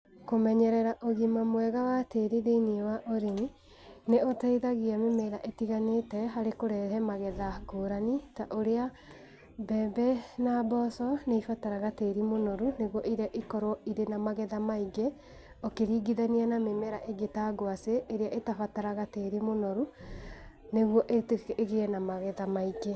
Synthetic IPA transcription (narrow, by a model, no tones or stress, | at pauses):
komɛɲɛɾɛɾaʔoɣimamwɛɣawateɾiðeiniwaʔoɾeni | neotaiðaɣiamemeɾaʔetiɣanetɛɦaɾekoɾɛɾɛmaɣɛðaɡoːɾanitaʔoɾea | bɛːbɛnabɔsɔneifataɾaɣateɾimonɔɾuneɣwɔʔiɾaʔikɔɾɔiɾenamaɣɛðamaiɡe | okeɾiːɡiðanianamemɛɾaʔeɡetaːɡoaseʔːɾeaʔetafataɾaɣateːɾimonɔɾu | neɣwɔʔeteɣeɛnamaɣɛðamaiɡe